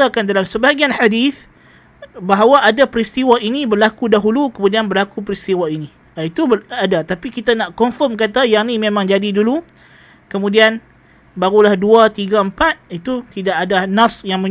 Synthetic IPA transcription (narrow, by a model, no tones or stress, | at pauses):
akandalamsəbaɡianħadiθ | baɦawaʔadapɾist̪iwaʔinibərlakudaɦulukəmũdianbərlakupəɾist̪iwainĩ | ait̪ubadat̪apikit̪anaʔkɔnfɔmkat̪ajaʔnĩmemãŋd͡ʒadidulu | kəmũdian | baɾulahduat̪iɡaəmpat̪̚it̪ut̪idaʔadanasjaŋmə̃